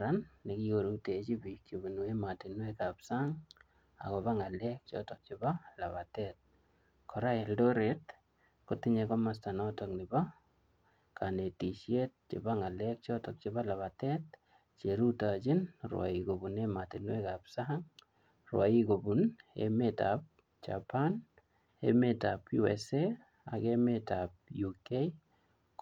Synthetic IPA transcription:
ɾanːekiɣoɾutet͡ʃibik̚t͡ʃibunuematinwekapsaŋ | a̰kɔβaŋalɛk̚t͡ʃɔ̰tɔk̚t͡ʃibala̰βatɛt̚ | kʰɔɾaeldoɾet̚ | kotiɲekɔmastanɔtɔknɪba | kʰanetiʃjet̚t͡ʃɪ̰baŋalɛk̚t͡ʃɔtɔk̚t͡ʃiβalaβatɛt̚ | t͡ʃeɾutat͡ʃɪnrwa̰ikobunematinwekapsaɦaŋ | rwa̰ikobunḛmetap̚ | t͡ʃa̰pan | ḛmetapjuɛ̰se | a̰kemetap̚jukei

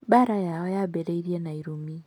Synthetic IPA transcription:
baɾajaɔjabɛɾeiɾienaiɾumi

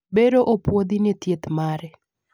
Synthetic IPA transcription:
beɾoʔopwod̪inɛt̪jet̪maɾɛ

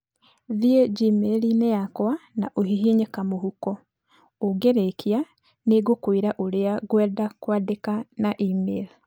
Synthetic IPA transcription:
ðieɟimelineakwana̰ʔohiɦiɲekamohukɔ | oɡeɾekia | neɡokwiɾaʔoɾeaɡwɛːdakwadekanaʔimeli

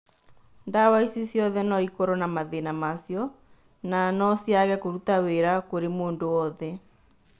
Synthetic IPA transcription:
ndawaisisjɔðɛnɔikɔɾɔnamaðenamasjɔ | nanɔsjaɣɛkoɾutaweɾakoɾemoːndowɔðɛ

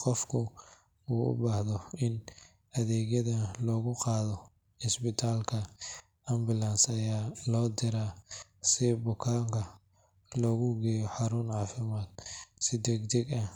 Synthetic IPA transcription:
qɔfkʰʊ | uːʔʊ̰baːhðɔɪn | ɐðɛːɣjɐðɐlɔːɣʊqɑːðɔ | ɪsbɪt̪ʰaːlkʰɐ | ʔɐmbɪlansɐjaːlɔːd̪ɪɾaːsɪbʊkʰaːŋkʰɐ | lɔːɣʊɡɛjɔħɑɾʊnʕɑːfɪmaːd̪sɪd̪ɛɡd̪ɛɡɐh

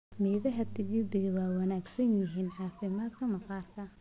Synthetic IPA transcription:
mɛːðɐɦɐt̪ʰɪʔɪd̪ɪɣwɑːwɑnaːɡsɐnjɪɦiːnʕɑːfɪmaːd̪kʰɐmɐqɑːrkʰɐ

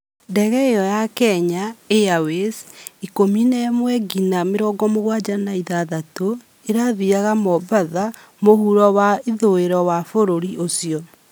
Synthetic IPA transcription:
dɛɣɛejɔjakɛɲaejawesikominɛmwɛɡinameɾɔːɡɔmoɣwad͡ʑanaiðaðato | eɾaðiaɣamɔbaða | mohuɾɔwaiðoeɾɔwafoɾoɾiʔosiɔ

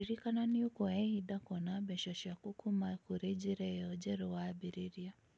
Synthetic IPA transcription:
iɾikananiukɔɛhidakɔnabɛʃɔʃakukumakuɾɛd͡ʒiɾɛjɔd͡ʒɛɾɔwabiɾiɾia

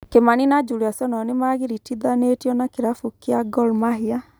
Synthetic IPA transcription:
kemaninad͡ʒuɾiasɔnɔnemaɣiɾitiðanetjɔnakeɾafukjaɡɔlmaɦia

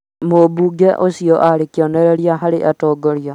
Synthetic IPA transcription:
mobuɡeʔosjɔʔaɾekjoneɾeɾjaɦaɾeʔatɔːɡoɾja

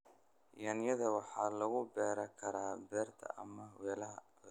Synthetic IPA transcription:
jɐːnjɐðɐwɑħɑːlɐɣʊbɛːɾɐkʰɐɾaːbɛːrt̪ʰɐ̰ʔɐ̰mɐwɛːlɐɦɐ

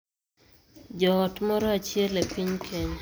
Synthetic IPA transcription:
d͡ʒɔːtmɔɾɔat͡ʃjɛlepiɲkʰeɲ

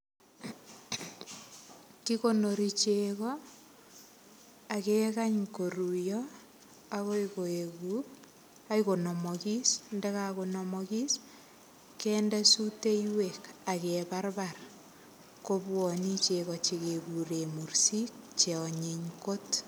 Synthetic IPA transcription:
kikonoɾit͡ʃekɔ | akekaɲkoɾujɔ | akoikoeku | aikonɔmɔkisndɛkakonɔmɔkis | kɛndɛsuteiwekakebarbar | kobwɔnit͡ʃekɔt͡ʃekekuɾemuɾsik̚t͡ʃeɔɲeɲkot

